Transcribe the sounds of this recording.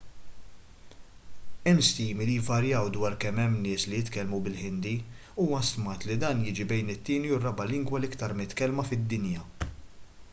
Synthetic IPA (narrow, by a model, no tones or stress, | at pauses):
ɛmst̪iːmilijvɐɾjɐwd̪wɐːɾkɛmːɛmːnɪːslijɪt̪kɛlmubɪlħɪnd̪i | uːwɐst̪mɐːt̪lid̪ɐːnjɪːd͡ʒibɛjnɪt̪ːiːniʊrɐbɐlɪŋɡwɐlɪkt̪ɐɾmɪt̪kɛlmɐfɪd̪ːɪnjɐ